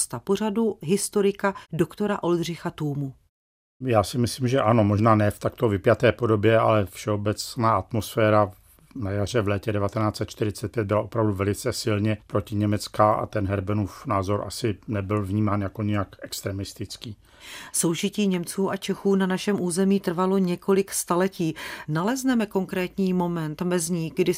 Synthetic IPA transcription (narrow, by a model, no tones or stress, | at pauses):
st̪apo̞raduɦɪst̪oɾɪkadokt̪o̞ɾaʔo̞ldr̝ɪxat̪uːmu | jaːsɪmɪsliːmʒɛʔano̞mo̞ʒnaːnɛːft̪akt̪o̞vɪpjat̪ɛːpodo̞bjɛa̰lɛfʃɛobɛt͡snaːat̪mosfɛːɾa | najar̝ɛvlɛːcɛdɛvat̪ɛnaːt͡sɛt̪̚t͡ʃt̪ɪɾɪt͡sɛt̪̚pjɛt̪̚bɪlaʔo̞pɾavduvɛlɪt͡sɛsɪlɲɛpɾocɪɲɛmɛt͡skaa̰t̪ɛnɦɛɾbɛnuːfnaːzo̞ɾʔa̰sɪnɛbɪlvɲiːmaːnjakoɲɛjakʔɛkst̪ɾɛmɪst̪ɪt͡skiː | so̞wʒɪciːɲɛmt͡suːʔat͡ʃɛxuːnanaʃɛmʔuːzɛmiːt̪r̩valo̞ɲɛko̞lɪkst̪alɛciːnalɛznɛmɛko̞ŋkɾɛːt̪ɲiːmo̞mɛnt̪mɛzɲiːɡdɪ